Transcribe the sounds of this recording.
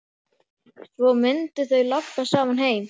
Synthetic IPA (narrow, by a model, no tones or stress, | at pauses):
θvowmɪnt̪ʏθœɥlapːasaːmanɦeːjm